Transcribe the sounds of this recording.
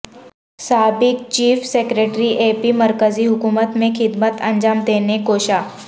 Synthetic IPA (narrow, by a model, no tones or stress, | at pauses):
saːbɪk̚t͡ɕiːfsekɾeʈɾiʔepiməɾkəd͡ziːɦukumət̪mẽxɪd̪mət̪əɲd͡ʑaːmd̪enekoɕa